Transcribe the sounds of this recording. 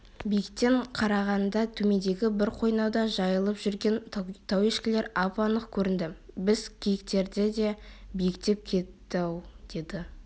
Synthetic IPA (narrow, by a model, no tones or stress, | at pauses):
bijɪkt̪ːe̞ɴqʰɑɾɑʁɑnd̪ɑt̪ʰɵme̞d̪e̞ɡʲɪbɪɾqʰo̞jnɑwd̪ɑʒɑjəlˠəpʒʏɾɡʲe̞nt̪ʰawiʃkʲɪle̞ɾɑpɑnəqkʲʰɵɾɪnd̪ɪbɪz̥kʲʰijɪk̚t̪e̞ɾd̪ed̪e̞bijɪkt̪e̞p̚kʲʰe̞t̪ːɑwd̪̥e̞d̪ɪ